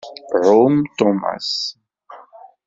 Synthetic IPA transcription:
ʕumt̪ɔma̰s

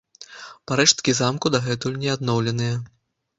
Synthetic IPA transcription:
paɾɛʂt̪̚kʲizamkud̪aɣɛt̪ulʲnʲɛad̪nɔwlʲɛnɨjɐ

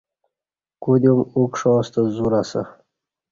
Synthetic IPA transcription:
kud̪emukʂɔːst̪əzuɾasə̰

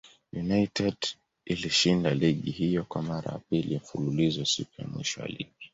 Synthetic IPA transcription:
junaitɛd̥ | iliʃindaliɠihijɔkwamaɾa̰ja̰pilim̩fululizɔsikuja̰mwiʃɔwa̰lḭɠi

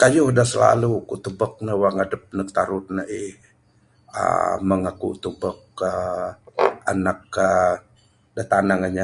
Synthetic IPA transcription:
kajʊhdahsəla̰lukut̪ubək̚nəwaŋadəp̚nək̚t̪aɾʊt̪̚naih | ə̰məŋakṵt̪ubək̚ə | a̰nak̚ə | dat̪anaŋaɲa

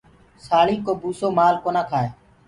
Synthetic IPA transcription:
saːɭiːkoːbuːsoːmaːlkoːnaːkʰaːeː

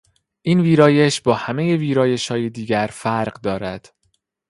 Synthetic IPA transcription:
ʔiːnviːɾɒːjeʃbɒːhæme̞jeviːɾɒːje̞ʃhɒːjed̪iːɟæɾfæɾɢd̪ɒːɾæd̪̥

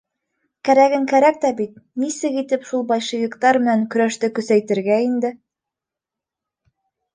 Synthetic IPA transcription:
kæɾæɡɘŋkæɾæk̚t̪æbit̪̚nisɘɣit̪ɘpʃulˠbɑjʃɤ̆ɣʲĭkt̪ɑɾmɘ̆næŋkɵ̆ɾæʃt̪ɘkɵ̆sæjt̪ɘ̆ɾɡæind̪ɘ

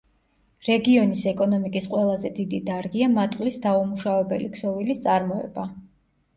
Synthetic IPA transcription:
ɾɛɡiɔnisɛkʼɔnɔmikʼisqʼwɛlˠazɛd̪id̪id̪aɾɡiamat̪ʼqʼlisd̪aumuʃavɛbɛ̰likʰsɔvilist̪sʼaɾmɔɛ̰ba

